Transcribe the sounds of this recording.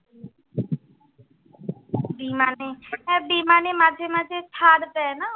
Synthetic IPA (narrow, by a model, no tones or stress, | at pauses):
biːmaːneɛbiːmaːnemaːd̪ʱəmãd͡ʒetʰaːɽt̪ɛna